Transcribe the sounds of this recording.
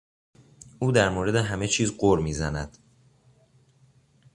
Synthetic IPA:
uːd̪æɾmoːɾe̞d̪e̞ɦæme̞t͡ʃʰiːzɢoɾmiːzænæd̪̥

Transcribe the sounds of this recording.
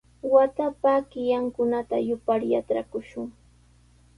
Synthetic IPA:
wat̪apakɪjaŋkʊnat̪ajʊpaɾjatɾakʊʃʊŋ

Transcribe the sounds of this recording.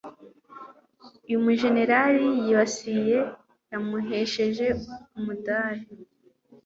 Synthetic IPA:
ijumuʒe̞ne̞ɾaɾijiβasije̞ | jamuɦe̞ʃe̞ʒe̞umudaːhe

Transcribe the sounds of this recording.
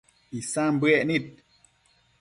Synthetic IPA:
isambɛʔnit̚

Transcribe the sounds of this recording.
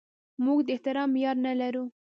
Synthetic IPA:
muɡd̪əɪht̪ɪɾɑmjɑɾnalaɾu

